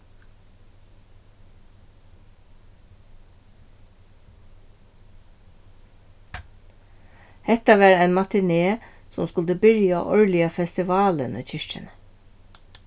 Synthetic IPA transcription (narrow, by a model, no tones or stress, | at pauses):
hɛt̪ɑʋæːɾæɪnmɑt̪ɪneːsɔ̰mskʉld̪əbʏɾjɑ̰ʔɔɹlɪɑfɛst̪ɪʋɑːlə̰nə̰ːc͡çʏʃʈə̰nə